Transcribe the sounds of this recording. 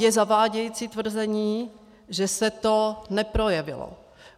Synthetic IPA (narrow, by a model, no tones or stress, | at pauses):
jɛzavaːɟɛjiːt͡sit̪vr̩zɛɲiː | ʒɛsɛt̪onɛpɾo̞jɛvɪ̰lo̰